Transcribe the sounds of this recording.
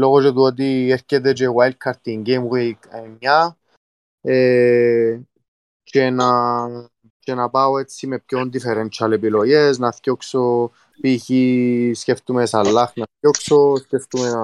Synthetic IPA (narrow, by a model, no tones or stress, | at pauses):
lo̞ɣot͡ʃet̪uot̪̬ieɾcet̪̬et͡ʃewajl̚kʰɐɾt̪iŋɡejmwikmɲa | e | t͡ʃena | t͡ʃenɐpaoet͡sːimepçond̪ifeɾent͡ʃɐlepiloʝeznɐθcokso | piçiscʲeft̪umesɐlːɐxnɐθcoksosceft̪ume